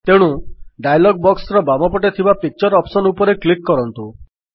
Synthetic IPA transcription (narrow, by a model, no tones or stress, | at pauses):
t̪eɽ̃uɖajlɔɡ̚bɔksɾɔbamɔpɔʈet̪ʰibapik̚t͡ʃɔɾɔpsɔnupɔɾeklikːɔɾɔnt̪u